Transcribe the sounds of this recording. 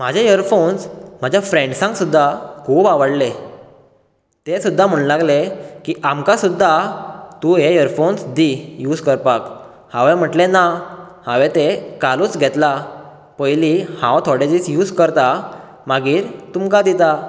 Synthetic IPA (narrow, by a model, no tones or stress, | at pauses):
m̤ad͡ʑʱejəɾfonsm̤ad͡ʑʱjafɾẽɳɖsãŋksud̪ʱːakʰuːbaʋəɽle | t̪esud̪ʱːam̤əɳlaɡlekiːʔamkasud̪ʱːat̪uɦejəɾfonsd̪ijuːd͡zkəɾpak | hãʋẽm̤əʈlena | haʋet̪ekalũːt͡sɡʱɛt̪la | pəjlihã̰wt̪ʰɔɽed͡ʑiːsjuːd͡zkəɾt̪a | maɡiːɾt̪umkad̪it̪a